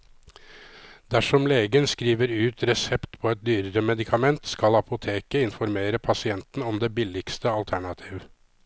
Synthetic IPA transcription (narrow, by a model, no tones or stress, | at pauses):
d̪æʂɔmleːɡənskɾiːʋəɾʉːt̪ʰɾɛsɛpt̪pʰɔɛt̪̚d̪yːɾəɾəmɛd̪ɪkʰɑmɛnt̪skɑlɑpʊt̪ʰeːkəɪnfɔɾmeːɾəpʰɑsɪɛnt̪n̩ɔmd̪eːbɪlɪkst̪əɑlt̪ʰæɳɑt̪ʰiːʋ